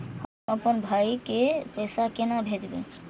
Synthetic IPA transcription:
ɔpənbʱajkepesakenabʱed͡ʒbḛ

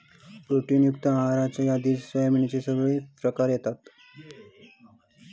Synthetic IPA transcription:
bɾuʈiːnjukt̪əmaɦɾat͡ɕajad̪iːt͡ssʋəjmiɳit͡ɕesəɡɭiːpɾəkaɾjet̪at̪

